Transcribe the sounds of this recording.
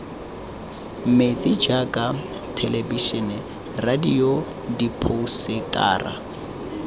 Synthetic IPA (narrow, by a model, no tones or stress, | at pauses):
met͡sʼid͡ʒakʼa | tʰɛlebiʃɛnɛ | radijo | dipʰʊsɪtʼa̰ːra̰